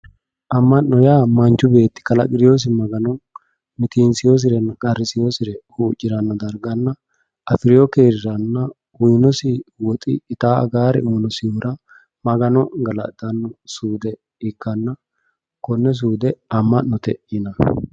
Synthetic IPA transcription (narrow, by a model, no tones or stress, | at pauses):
ʔɐmːɐʔnːɔjaːmɐnt͡ʃːʊbe̞ːt̪ːɪ̥kɐlɐɡɪɾɪjoːs̬ɪmɐɡɐnɔ | mɪt̪insɪjoːs̬ɪɾɛnːɐkʼɐɾɪsɪjosɪɾɛhuːt͡ʃʼːɪɾɐnːɔd̪ɐɾɡɐnːɐ | ʔɐfɪɾɪjɔkeːɾɪɾɐnːɐ | ʊjnɔsɪwɔt̪ʼɪ̰ːt̪aːɐ̰ɡaːɾɛ̰ʔuːnɔsɪjoːɾɐ | mɐɡɐnɔɡɐlɐ̰d̪ɐnːɔsuːd̪ɛ | ɪkːɐnːɐ | kɔnːɛs̬uːd̪ɛɐmːɐʔnɔt̪ɛ̰ʔɪnɐ